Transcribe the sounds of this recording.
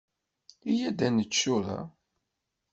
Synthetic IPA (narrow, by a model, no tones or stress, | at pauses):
ijæd̪ænət͡ʃːuɾa̰